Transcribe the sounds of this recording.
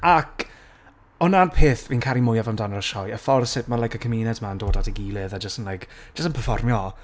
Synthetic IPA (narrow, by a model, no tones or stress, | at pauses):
ak | ɔnanpʰeːθvinkʰaɾimʊjavamdanərəʃɔjəfɔrsɪt̚manlajkəkʰəmiːnɛdmandoːdadiɡiːlˠɨðad͡ʒəstənlajkʒ̥əstənpʰərfɔrmjɔ